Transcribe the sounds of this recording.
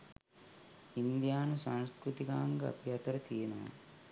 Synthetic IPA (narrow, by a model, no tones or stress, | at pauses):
ind̪jaːnusaŋskɾut̪ikaːŋɡɐɐ̰piɦɐt̪ɐɾɐt̪ijɐnɐʋɐ̰